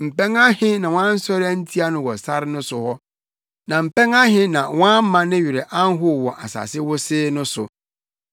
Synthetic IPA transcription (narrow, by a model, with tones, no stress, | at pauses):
m̩˨pɛ̃˦ŋa˦hɪ̃˦nã˨w̃ʷã˦n̩˦sɔ˦ɾɪ˦a˦n̩˦tʰi˦a˦nʊ̃˦wɔ˨sa˦ɾnʊ̃˦sʊ˨hɔ˦ | nã˨m̩˨pɛ̃˦ŋa˦ɦɪ̃˦nã˨wã˦m̩˦mã˦nɪ̃˦ɥɪ˨ɾɪ˨ʔã˦n˦ɦʊ˦˨wɔ˨ʔa˨sa̰ː˨sɪ˦wʊ˦sɪː˦nʊ̃˦sʊ˨